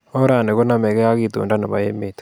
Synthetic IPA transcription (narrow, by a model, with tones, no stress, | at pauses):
o˦ɾa˨ne˨ɣo˦na˦me˨ɣɛ˦ja˦ɣi˨tṵː˨nda˦na˨ma̰˨jḛ˦mete̥